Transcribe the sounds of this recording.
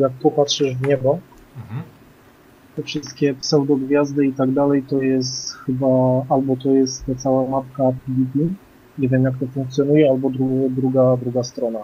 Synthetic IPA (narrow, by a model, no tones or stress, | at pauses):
jak̚pɔpat̪ʂɘʐvɲɛbɔ | t̪ɛfʂɘst̪kʲɛpsɛwd̪ɔɡvʲjazd̪ɘit̪aɡd̪alɛjt̪ɔjɛst̪xɘbaalbɔt̪ɔjɛst̪ːat̪sawamap̪kapʲilʲibʲi | ɲɛvʲjɛmjak̚t̪ɔfuŋkt̪sʲjɔnujɛalbɔd̪ɾuɡd̪ɾuɡad̪ɾuɡast̪ɾɔna